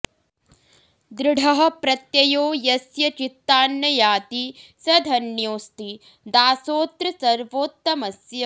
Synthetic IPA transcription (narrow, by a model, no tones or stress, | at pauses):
d̪ɾɪɽʱɐɦɐ̆pɾɐt̪jɐjoːjɐsjɐt͡ʃit̪ːaːnjɐjaːt̪isɐd̪ʱɐnjoːst̪i | d̪aːsoːt̪ɾɐsɐɾʋoːt̪ːɐmɐsjɐ